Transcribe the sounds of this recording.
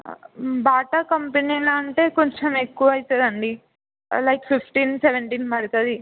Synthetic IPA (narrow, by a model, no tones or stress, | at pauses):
baːʈɐkɐmpeniːloɐɳʈe̞ːkoɲt͡ʃɐmekːuʋɐɐjit̪eːd̪ɐɳɖi | lɐjkfifʰʈiːnseʋeɳʈiːnmɐɾit̪ɐd̪i